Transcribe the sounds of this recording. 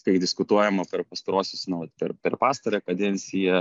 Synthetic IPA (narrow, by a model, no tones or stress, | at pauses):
kɐɪd̪ʲɪskʊt̪uɔjɛmɐpʲɛɾpɐst̪ɐɾoːsʲʊsnʊʋɐt̪pʲɛɾpʲɛɾpɑːst̪ɐɾʲɛkɐd̪ʲɛnʲsʲɪjɛ